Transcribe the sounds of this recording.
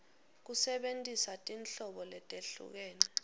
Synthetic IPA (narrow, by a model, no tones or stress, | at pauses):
k̬usɛɓentʼisatʼinɬɔɓɔlɛtʼeɬṵk̬ɛːnɛ